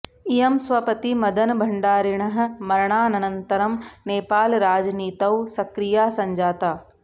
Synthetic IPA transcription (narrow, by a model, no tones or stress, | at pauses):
ijɐmsʋɐpɐt̪imɐd̪ʱɐnbʱɐɳɖaːɾɪɳ̃ɐɦ̆mɐɾɳ̃aːnɐnɐ̃nt̪ɐɾɐmneːpaːlɾaːd͡ʒniːt̪ɐwsɐkɾijaːsɐ̃ɲd͡ʒaːt̪aː